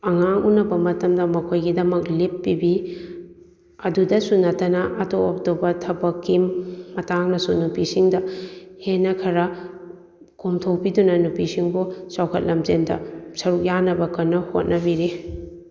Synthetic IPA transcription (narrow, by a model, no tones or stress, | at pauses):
ɐŋaŋunɐbɐmɐtɐmdɐmɐkʰojɡidɐmɐklipːibi | ɐdudɐsunɐtɐnɐʔɐtoop̚tobɐtʰɐbɐkimːɐtaŋnɐsunupisiŋdɐhenːɐkʰɐɾɐ | kʰomtʰowpidunɐnupisiŋbosawkʰɐt̚lɐmzendɐ̰sɐɾuk̚janɐbɐkɐnːɐho̰t̚nɐbiɾi